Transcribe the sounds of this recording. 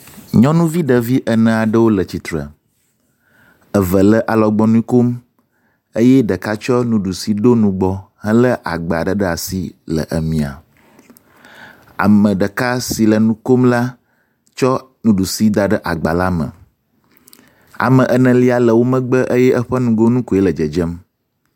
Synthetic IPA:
ɲɔ̃˦nũ˦vi˦ɖə˨vi˦ʔə˨nə̃˨a˨ɖə˦wo˦lə˨t͡ɕi˨t̪ɾə̰˨ | ə˨və˨lə˦ʔa˨lɔ˨ɡ͡bɔ˦nũ˦i˦ko˦m | ə˦jɛ˦ɖə˨ka˦t͡ʃɔ˦nũ˦ɖu˨si˨ɖo˦nũ˦ɡ͡bɔ˦ | ɦə̃˦lə˦ʔa˨ɡ͡ba̰˨ɖə˦ɖə˦a˨si˦lə̰˨ʔə˨mĩ˨a̰˨ | a̰˨mə̃˨ɖə˨ka˦si˨lə˨nũ˦ko˦mla˦ | t͡ʃɔ˦ | nũ˦ɖu˨si˦d̪a˨ɖə˦ʔa˨ɡ͡ba˨la˦mə̰̃˨ | a̰˨mə̃˨ʔə˨nə̃˨li˦a˨lə˨wo˦mə̃˦ɡ͡bə˦ʔə˦jɛ˦ʔə˦ɸə˦nũ˦ɡo˦nũ˦ku˨e˦lə˨d͡ʒə˨d͡ʒə˦m

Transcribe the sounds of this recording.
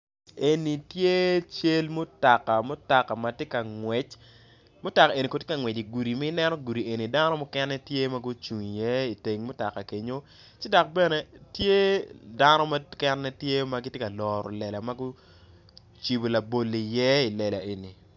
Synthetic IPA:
e˨ni˨tje˦t͡ʃe˦lmo˦ta˨ka˨mʊ˦ta˨ka˨ma˨te˦ka˨ŋwɛ˨t͡ʃ | mʊ˦ta˨ka˨e˨ni˨ko˨tje˦ka˨ŋwɛ˨t͡ʃi˨ɡu˨ɾi˨ma˦ɪ˦nɛ˦nɔ˦ɡu˨ɾi˨ʔe˨ni˨da˦nɔ˦mɔ˦kɛ˦nːɛ˦tje˦ma˦ɡu˦t͡ʃu˨ŋi˨jɛ˦i˨te˨ŋmʊ˦ta˨ka˨ke˨ɲo˦ | t͡ʃɪ˦da˨k̚bɛ˦nɛ˨tje˦da˦nɔ˦ma˦kɛ˦nːɛ˦tje˦ma˦ɡi˦tje˦ka˨lɔː˨ɾɔ̰˨lɛ˨la˨ma˦ɡu˦ | t͡ʃi˨bo˨la˨bo˨lːi˨jɛ˦i˨lɛ˨la̰˨ʔe˨ni˨

